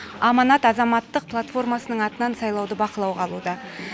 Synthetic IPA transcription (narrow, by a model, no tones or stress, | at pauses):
ɑmɑnɑt̪ɑzɑmɑt̪ːəq̚pʰlˠat̪fo̞rmɑsənəɴɑt̪ənɑnsɑjlˠɑwd̪əbɑqəlˠɑwʁɑlˠud̪ɑ